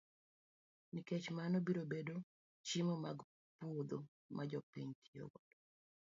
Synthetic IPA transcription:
niket͡ʃmanobiɾobedo | t͡ʃimomaɡ | puod̪o | mʔad͡ʒɔpiɲtʰio̰ɡɔd̥

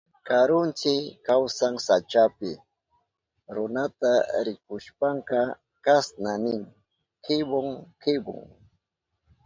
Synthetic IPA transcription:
kaɾʊnt͡ʃɪkawsaŋsat͡ʃapɪ | ɾʊnat̪aɾɪkʊʃpaŋkɑ | kasnanɪŋ | kɪboŋkɪbʊ̰ŋ

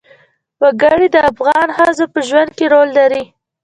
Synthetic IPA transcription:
wəɡəɽid̪əafɣɑnhazapəʒwand̪̚keɾolːaɾi

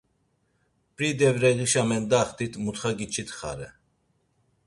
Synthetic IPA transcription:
pʼɾid̪ɛvɾɛɣiʃamɛnd̪aχt̪ʰit̪ʰmut̪χaɡit͡ʃʰit̪ʰχa̰ɾɛ

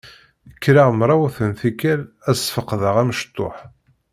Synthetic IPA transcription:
əkːɾaʁmɾˤɑwʊθənθikæl | æsfəqːðəʁæməʃt̪ˤːo̰ħ

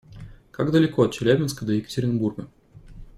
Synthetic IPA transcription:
kaɡd̪əlʲɪkoɐt̪̚t͡ɕɪlʲæbʲɪnskəd̪əjɪkə̥tʲɪɾʲɪnburɡə

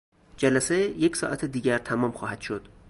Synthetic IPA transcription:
d͡ʒælæsejecʰsɒ̰ːʔæt̪ʰed̪iːɟæɾt̪ʰæmɒːmxɒːhæd̪̥ʃod̪̥

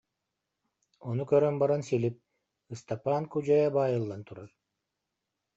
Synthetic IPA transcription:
onukøɾømbɑɾansilip̚ | ɯst̪apankud͡ʒɑjabɑːjɯlˠːant̪ʰuɾaɾ

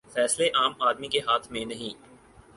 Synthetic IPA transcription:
fɛːsleʔaːmaːd̪mikeɦaːt̪ʰmẽnɐɦĩː

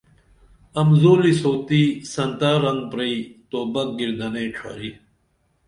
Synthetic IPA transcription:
ɐmzoːlisoːt̪isɐnt̪aːɾɐnɡ̪̚pɾɐit̪oːbɐk̚ɡiɾd̪ɐneʈ͡ʂʰa̰ɾi

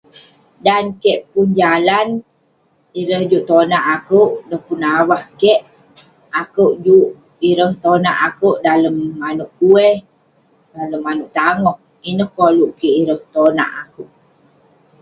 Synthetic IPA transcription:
dankɛʔpund͡ʒalan | iɾəhd͡ʒuʔt̪onaʔakəwʔdəhpunawahkɛʔ | akəwʔd͡ʒuʔ | iɾəht̪onaʔakəwʔdaləmːanuʔkuɛh | daləmːanuʔt̪aŋɔh | inəhkoluʔkiʔiɾəht̪ona̰ʔakəʔ

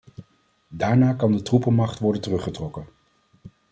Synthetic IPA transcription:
daːɹnaːkɑndətrupəmɑχtʋɔɹdəntərɵχətrɔkən

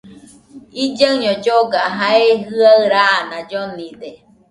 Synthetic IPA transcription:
id͡ʒaɲod͡ʒoɡaɦaeɦɯaɯɾanad͡ʒonid̪e

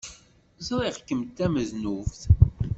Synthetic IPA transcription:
zɾˤiʁkːəmt̪ːæməznufθ

